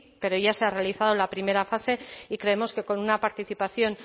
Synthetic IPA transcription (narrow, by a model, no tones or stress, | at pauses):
pe̞ɾo̞ʝase̞are̞aliθaðolapɾime̞ɾafase̞ikɾe̞e̞mo̞ske̞ko̞nunapaɾt̪iθipaθjo̞n